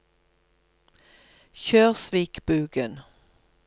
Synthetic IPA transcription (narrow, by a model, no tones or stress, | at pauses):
çøːʁsʋiːkb̥ʉːɡən